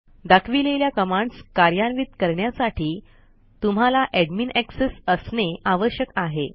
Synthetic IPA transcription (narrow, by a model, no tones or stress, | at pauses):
d̪akʰʋileljakəmaɳɖskaɾjanʋit̪kəɾɳjasaʈʰiː | t̪um̤alaʔɛɖminæksesəsneaʋəɕjəkaɦe